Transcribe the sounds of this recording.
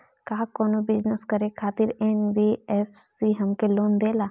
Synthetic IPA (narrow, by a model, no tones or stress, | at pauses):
kaːkoːnobɪd͡ʒnəskɐɾekʰaːt̪ɪɾeːnbieːfsiɦɐmkeloːnd̪eːlaː